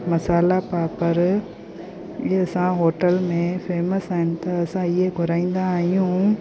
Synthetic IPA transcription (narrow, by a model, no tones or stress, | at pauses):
mɐsaːlapaːpəɾ | ɐsãɦoːʈəlmẽfʰeːməsaːɦɪnɪ̆t̪ɐɐsãɪɦeɡʱʊɾaːĩːnd̪aːɦijũ